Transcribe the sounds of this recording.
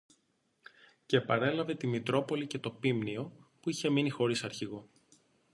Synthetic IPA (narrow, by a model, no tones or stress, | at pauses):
ce̞pɐɾe̞lɐve̞t̪imit̪ɾo̞po̞lice̞t̪o̞pimnio̞puiçe̞minixo̞ɾisɐɾçiɣo̞